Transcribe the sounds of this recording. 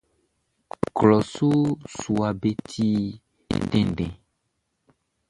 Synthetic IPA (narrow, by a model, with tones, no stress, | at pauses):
klɔ˨su˦su˨a˨be˦tʰi˦ | dɛ̃˨nɖɛ̃˨